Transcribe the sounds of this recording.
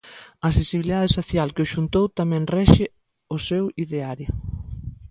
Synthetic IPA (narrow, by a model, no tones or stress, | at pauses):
ɐːsesiβliðaðesoθjalkɪʊʃunt̪owt̪amɛ̃ŋrɛʃɪ | ʊsewiðeaɾjo